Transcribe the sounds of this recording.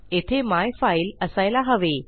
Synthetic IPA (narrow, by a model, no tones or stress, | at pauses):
et̪ʰemajfailəsajlaɦəʋe